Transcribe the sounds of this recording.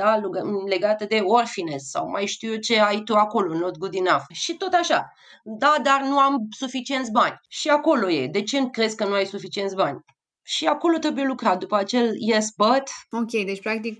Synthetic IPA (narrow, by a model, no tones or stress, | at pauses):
d̪̥aluɡle̞ɡat̪əd̪e̞o̞rfinesːa̰wmajʃt̪iut͡ʃe̞ajt̪uako̞lo̞not̪ɡud̪inafʃit̪o̞t̪aʃa | d̪ad̪arnuamsufit͡ʃie̞nt̪sʲbanʲʃiako̞lo̞je̞̰d̪e̞t͡ʃe̞nkɾe̞zʲkənuajsufit͡ʃie̞nt̪sʲbanʲ | ʃiako̞lo̞t̪ɾe̞buje̞lukɾat̪̚d̪upəat͡ʃe̞ljesbət̪o̞kʲe̞jd̪et͡ʃʲpɾak̚t̪ik̚